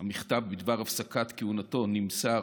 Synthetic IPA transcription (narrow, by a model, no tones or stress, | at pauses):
hamiχt̪avbid̪vaʁafsakat̪keunato̞nimsa